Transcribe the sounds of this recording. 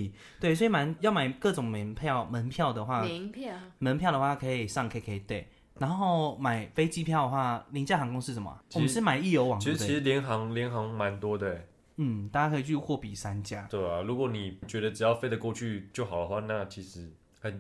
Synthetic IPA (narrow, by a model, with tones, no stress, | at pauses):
t̪we˥˩ɪswi˨˩ma˧˥njɑ˥˩ma˨˩ɪkɤ˥˩ʈ͡ʂʊ˨˩ŋmə˨˦npʰjɑ˥˨ʊmə˧˦npʰjɑ˥˩ʊd̪ə˩xwa˥˩pʰmə˧˦npʰjɑ˥˩ʊdə˨˧xwa˥˩˧kʰɤ˧˥i˨˩ʂɑ˥˧˩ŋkʰkʰə˧˨i˨˩t̪we˥˩ɪ | na˧˥nxo˥˩ʊma˨˩ɪfe˥ɪt͡ɕi˥pʰjɑ˥˩ʊd̪ə˩xwa˥˩li˧˥ŋt͡ɕja˥˩ɑ˧˥ŋkʊ˥ŋʂɻ̩˥˩ʂə˧˦mə̰˩t͡ɕʰwɔ˨˧mə˥ʂɻ̩˥˩ma˨˩ɪi˥˩jo˧˥ʊwɑ˨˩ŋʰi˧˥˧t͡ɕi˧˥ʂ̩˧˦ljɛ˧˥nxɑ˧˥ŋljɛ˧˥nxɑ˧˥ŋma˧˦nt̪wɔ˦˥t̪we˥˩ɪ | n̩˥˩t̪a˥˩t͡ɕa˥kʰɤ˧i˨˩t͡ɕʰy˥˧xwɔ˥˩pi˨˩sa˦nt͡ɕja˥t̪we˥˩ɪa˨˩lu˧˥kwɔ˨˩˦ni˨˩t͡ɕɥɛ˧˥ɾə˧ʈ͡ʂɻ̩˨˩jɑ˥˧ʊfe˥ɪd̪ə˨kwɔ˥˧t͡ɕʰy˥˧t͡ɕjo˥˩ʊxɑ˨˩ʊd̪ə˦xwa˥˧na˥˧t͡ɕʰi˧˥ʂɻ̩˧˦ | xə˨˩n